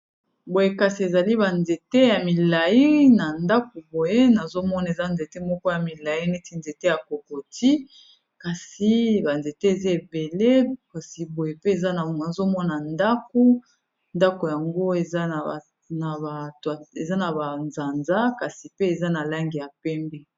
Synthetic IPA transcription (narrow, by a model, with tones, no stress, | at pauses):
bo˨je˦ka˨si˨e˨za˨li˦ba˨nze˨te˦ja˨mi˨la˨i˦na˨nda˦k̚o˨bo˨je˦na˨zo˦mɔ˦na˨e˨za˦nze˨te˦mɔ˦kɔ˦ja˨mi˨la˨ji˦ne˦ti˨nze˨te˦ja˨ko˨ko˨ti˦ | ka˨si˦ba˨nze˨te˦e˨za˦e˨be˨le˦ka˨si˨bo˨je˨pe˦e˨za˦˨na˨zo˦mɔ˦na˨nda˦ko˦ | nda˦ko˨ja˨ŋɡo˦e˨za˦˨ | na˨ba˨twa˨e˨za˦na˨ba˨nza˨nza˦ka˨si˨pe˦e˨za˦na˨la˦ŋɡi˨ja˨pɛ˦mbɛ˦